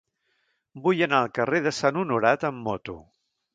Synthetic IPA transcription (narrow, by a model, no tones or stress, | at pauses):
bujənaəlˠkəreðəsanunuɾat̪əmːɔt̪ṵ